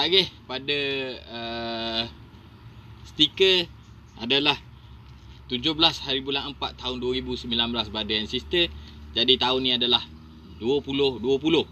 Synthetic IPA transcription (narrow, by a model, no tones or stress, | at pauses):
aɡɪhpadəə | st̪ikə | a̰dalah | t̪ud͡ʒʊhbəlashaɾibulanəmpa̰t̪ːaʊnduəɾibusəmbilanbəlasbadajansist̪əd͡ʒadit̪aʊnːĩadalah | duəpulʊhduəpulʊh